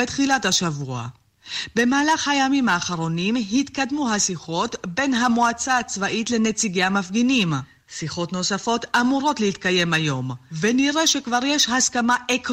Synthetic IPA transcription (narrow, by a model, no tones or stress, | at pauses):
etχilathaʃavua̰ | be̞maːlaχhajamimaːχaʁo̞nimɦit̪kad̪muɦasiχo̞tbe̞nɦamuat͡saːt͡svaʔitle̞ne̞t͡siɡeamafɡinim | siχo̞tno̞safo̞tamuʁo̞tleit̪kaje̞majo̞mve̞niʁe̞ʃe̞kvaʁje̞ʃhaskamaʔek